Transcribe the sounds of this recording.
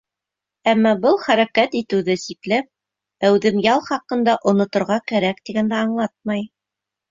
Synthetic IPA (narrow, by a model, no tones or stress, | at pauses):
æmːɑbɤlˠχæɾækæt̪it̪ɘ̆wðɘsiklæp̚ | æwðɘmjɑlˠχɑqɤ̆nd̪ɑʔŏnŏt̪ŏɾʁɑkæɾækt̪iɡænd̪æɑɴlˠɑt̪̚mɑj